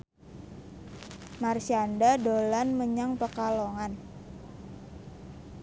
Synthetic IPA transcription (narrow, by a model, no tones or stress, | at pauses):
marsiandadolanməɲaŋpəkaloŋan